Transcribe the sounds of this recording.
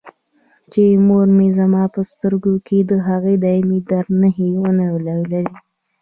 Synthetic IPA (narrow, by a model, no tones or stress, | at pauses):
t͡ʃemoɾmezamɑpəst̪əɾɡokʰed̪əɦaɣed̪ɑjimid̪aɾnaɦewənawlawlaɾi